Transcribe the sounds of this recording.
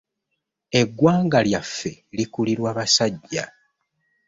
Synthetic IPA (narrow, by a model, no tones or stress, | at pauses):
e̞ɡwaːŋɡaljafːe̞likuliɾwaːβasaɟːa̰